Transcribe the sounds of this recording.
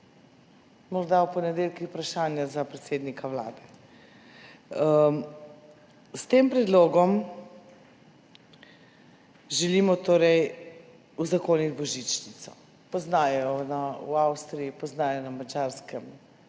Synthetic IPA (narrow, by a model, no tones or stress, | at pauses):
mɔɾd̪awpɔnɛd̪eːlkixpɾaʃaːnjazapɾɛt̪seːd̪nikaʋla̰ːd̪ɛ | st̪empɾɛd̪loːɡɔm | ʒɛlimɔt̪oːɾɛj | uzakoːnit̪bɔʒit͡ʃnit̪sɔ̰ | pɔznaːjɔnawawst̪ɾijipɔznaːjɔnamad͡ʒaɾskɛm